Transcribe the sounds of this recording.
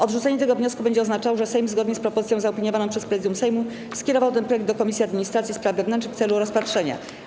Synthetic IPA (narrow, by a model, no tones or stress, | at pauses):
ʔɔd̪ʐut̪sɛɲɛt̪ɛɡɔvɲɔskubɛɲd͡ʑɛɔznat͡ʂawʐɛsɛjmzɡɔd̪ɲɛspɾɔpɔzɘt̪sʲjɔ̃zaɔpʲiɲɔvanɔ̃w̃pʂɛspɾɛzɘd̪jũmsɛjmu | skʲɛɾɔvawt̪ɛnpɾɔjɛɡd̪d̪ɔkɔmʲisʲjiad̪mʲiɲist̪ɾat̪sʲispɾavvɛvnɛnt͡ʂnɘkft̪sɛluɾɔspatʂɛɲa̰